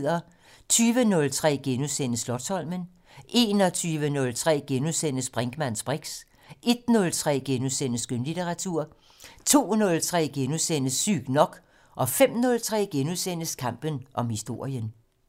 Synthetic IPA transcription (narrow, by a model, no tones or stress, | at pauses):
ð̰ˠɐ | t͡sʰyːʋənɔ̽lt͡sʰʁɛ̰ːɡ̥enusen̰əslɒ̽d̥sɒ̽l̰mən | e̝nɒ̽t͡sʰyːʋənɔ̽lt͡sʰʁɛ̰ːɡ̥enuðˠsen̰əsb̥ʁeŋɡ̥mæn̰sb̥ʁeɡ̥s | ʔe̝d̥̚nɔ̽lt͡sʰʁɛ̰ːɡ̥enuðˠsenəsɡ̥ønlit͡sʰeʁɑ̈t͡sʰuɐ̰ | t͡sʰo̝̰ːnɔ̽lt͡sʰʁɛ̰ːɡ̥enusen̰əsy̰ɡ̥nɒ̽ɡ̥ | ʔɒ̽fem̰nɔ̽lt͡sʰʁɛ̰ːɡ̥enuðˠsen̰əskʰɑ̈m̰b̥ənʔɒ̽mhisd̥o̝ɐ̰jən